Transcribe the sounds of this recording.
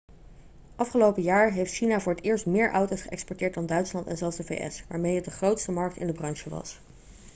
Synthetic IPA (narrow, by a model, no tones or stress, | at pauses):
ʔɑfχəlowpəjaːɹɦejftʃinavʊːɹɦətɪːɹstmɪːɹʔɔwtosχəʔɛ̰kspɔɹtɪːɹt̚dɑndœɥtslɑntɛ̰nzɛlˠzdəvḛjʔɛ̰sʋaːɹmejɦət̚dəχrowtstəmɑɹk̚tɪ̰ndəbrɑnʃəʋɑ̰s